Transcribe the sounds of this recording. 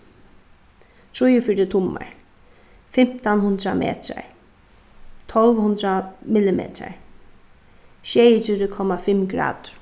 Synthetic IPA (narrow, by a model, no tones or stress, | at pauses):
t̪ʰɹujəfiɾət̪ʰʊma̰ɹ | fɪm̥t̪anhʊnd̪ɾamʔḛːt̪ʰa̰ɹ | t̪ʰɔlʋhʊnd̪ɾamɪlɪmḛːt̪ʰa̰ɹ | ʃejətɪɾəkʰɔmafɪmɡɾa̰ːd̪̥